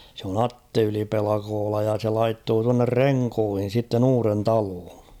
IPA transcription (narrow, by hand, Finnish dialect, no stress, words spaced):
se on ɑtːe ylipelɑkoːlɑ jɑ se lɑitːoː tuɑnːer reŋkoːhin̞ sitːen uːren tɑloːn̞